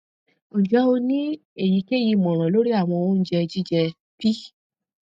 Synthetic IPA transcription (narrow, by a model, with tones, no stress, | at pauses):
õ˨d͡ʒɔ˨˦o˧nĩ˦ | e˦˨ji˨˧ke˦˨ji˧mɔ̃˨ɾ̃ã˨lo˨˦ɾi˦a˦˨w̃ɔ̃˧o˦n̩˦d͡ʒɛ˧d͡ʒi˦d͡ʒɛ˧ | pi˦